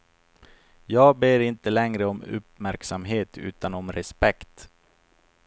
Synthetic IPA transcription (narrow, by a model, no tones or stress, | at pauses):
jɑːɡ̚beːɾɪnt̪əlɛŋɾəɔmɵ̰pmæɾksamɦeːt̪ʰʉ̟̰ːt̪anɔmɾɛspɛkt̪